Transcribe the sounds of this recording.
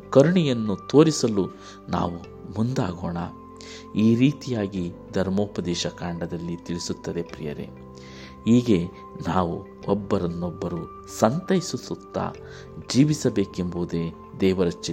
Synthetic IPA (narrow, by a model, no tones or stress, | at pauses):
kɐɾuɳijɐnːut̪o̞ːɾisɐlu | na̰ːʋu | mund̪aːɡoːɳɐ | iːɾiːt̪ijaːɡid̪ʱɐɾmoːpɐd̪ɛːʃɐkaːɳɖɐd̪ɐlːit̪iɭisut̪ːɐd̪e̞pɾḭjɐ̰ɾḛ | ɦiːɡe̞ | naːʋṵ | ɔbːɐɾɐnːɔbːɐɾu | sɐnt̪ɐjisusut̪ːa̰ | d͡ʒiːʋisɐbeːkembɐd̪e | d̪ɛːʋɐɾɐt͡ʃːi